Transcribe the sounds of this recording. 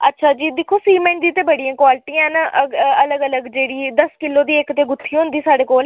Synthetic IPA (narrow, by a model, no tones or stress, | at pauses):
ətːʃʰaːd͡ʒiːd̪ɪkʰːoːsiːmɛ̃ɳʈd̪iːt̪eːbəɽijãːkwaːlɪʈiãːnaʔəələɡələɡd͡ʒeːɽiːd̪əskɪlːoːd̪iːekt̪eːɡʊt̪ʰːiɦʊ̃nd̪iːsaːɖeːkoːl